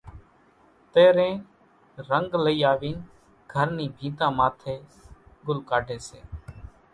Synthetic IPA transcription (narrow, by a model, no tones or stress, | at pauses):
t̪eːɾẽː | ɾəŋɡləiːaːʋiːn | ɡʱəɾniːbʱĩːt̪ãːmaːt̪ʰeːɡʊlkaːɖʱẽːsḛː